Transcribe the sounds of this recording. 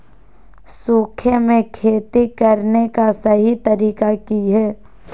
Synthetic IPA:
suːkʰjemẽkʰeːt̪ikɐɾnekasɐɦit̪ɐɾiːkakiɦɛː

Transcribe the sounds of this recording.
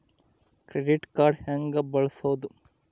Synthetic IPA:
kɾeɖiʈkaːɾɖhɐŋɡɐbɐɭɐsoːd̪u

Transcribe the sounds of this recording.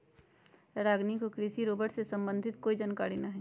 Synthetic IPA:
ɾaːɡnikokɾisiɾoːbəʈsesɐ̃mbə̃nd̪ʱɪt̪koːid͡ʒankaːɽinɐɦɛ

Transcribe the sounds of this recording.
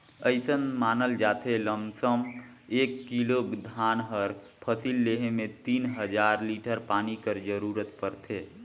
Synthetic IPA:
əɪsənmanəld͡ʒat̪ʰeləmsəm | ekːilokd̪ʱanɦəɾ | pʰəsilːeɦemet̪inɦəd͡ʒaɾliʈəɾpanikəɾd͡ʒəɾuɾət̪pəɾt̪ʰe

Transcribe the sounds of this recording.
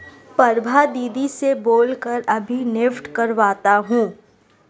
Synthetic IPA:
pɐɾbʱad̪iːd̪iseboːlkəɾɐbʱinɪfʈkɐɾʋaːt̪aɦũː

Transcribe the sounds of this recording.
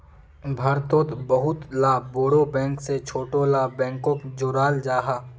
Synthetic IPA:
bʱaːɾt̪õːt̪bɐɦʊt̪laːboːɽobɛ̃ːŋkset͡ʃʰoːʈolaːbɛ̃ːŋkõkd͡ʒʊɾaːld͡ʒaːɦa

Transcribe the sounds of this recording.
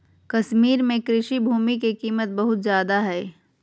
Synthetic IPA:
kɐʃmiːɾmẽkɾɪʃibʱuːmik̬ekiːmət̪̚bɐɦʊt̪zjaːd̪aɦɛː

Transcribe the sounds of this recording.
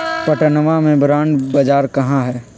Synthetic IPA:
pəʈənəmamẽbɾaːɳɖbɐd͡ʒaːɾkɐɦãɦɛː

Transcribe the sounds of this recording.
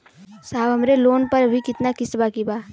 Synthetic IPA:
saːbɦəmɾeloːnpəɾbʱikɪt̪nakɪsbakibaː

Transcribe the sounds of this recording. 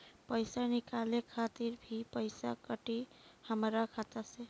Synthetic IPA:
pəjsanikalekʰat̪iɾbʱipəɪsakəʈi | həmɾakʰat̪ase

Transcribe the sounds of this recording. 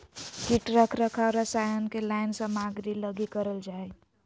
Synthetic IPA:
kiʈɾəkʰɾəkʰaɾəsajənkelaɪnsə̃maɡɾiləɡikəɾəld͡ʒae

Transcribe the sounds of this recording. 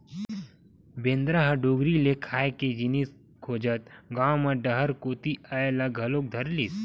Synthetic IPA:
bẽːnd̪ɾaɦəɖoːɡɾilekʰaːjeked͡ʒɪnis | kʰoːd͡ʒət̪̚ɡãːmɐɖɐɦəɾkoːt̪iaelaɡʱɐlok̚d̪ʱɐɾlis

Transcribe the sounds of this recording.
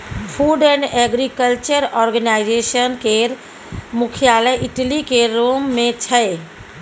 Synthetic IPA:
pʰuɖɛ̃ɳɖɛɡɾikəlt͡ʃəɾɔːɾɡənaɪd͡ʒesənkeɾ | mʊkʰjaləjʔiʈlikeɾomːẽt͡ʃʰəe

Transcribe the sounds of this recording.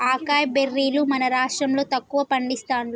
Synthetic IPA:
aːkaːjɐberːiːlumɐnɐɾaːʂʈɾɐmlo̞ːt̪ɐkːuʋɐpɐɳɖist̪aːnl

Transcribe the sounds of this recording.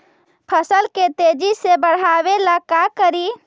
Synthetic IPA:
pʰəsəlket̪ed͡ʒisebəɽ̤abelakakəɾi

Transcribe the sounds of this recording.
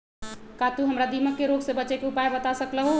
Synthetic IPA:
kat̪uɦəmɾad̪iməkːeɾoɡsebəːt͡ʃekeupaebət̪asəkləɦo

